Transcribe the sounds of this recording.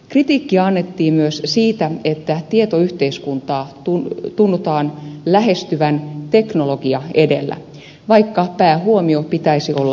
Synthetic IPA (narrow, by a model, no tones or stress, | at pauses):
krit̪iːkːiɑnːet̪ːiːmyøssiːt̪æet̪ːæt̪iet̪oyht̪eiskunt̪ɑːt̪ut̪unːut̪ɑːnlæɦest̪yʋænt̪eknoloɡ̥iɑe̞delːæ̰ | ʋɑikːɑpæːhuomiopit̪æisiʔolːɑ